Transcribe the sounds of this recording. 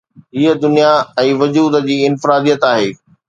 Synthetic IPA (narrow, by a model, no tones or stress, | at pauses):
ɦiəd̪ʊnijaɛ̃ːʋʊd͡ʑuːd̪d͡ʑiːɪnfɪɾaːd̪ijət̪aːɦeː